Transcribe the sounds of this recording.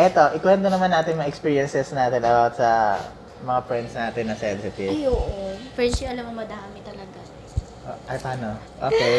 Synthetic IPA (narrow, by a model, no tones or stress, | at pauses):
ʔɛt̪o̞ʔɪkwɛnt̪onɐmanːaːt̪ɪŋmɐŋaʔɛkspiːɹjɐnsɛsnaːt̪ɪnɐbawt̪sɐ | mɐŋapɾɛnsnaːt̪ɪnːɐsɛnsɪt̪ijoːʔofɛsliɐlɐmɐmɐd̪aːmɪt̪ɐlɐɡa | ʔoʔɐjpaːno | ʔoːke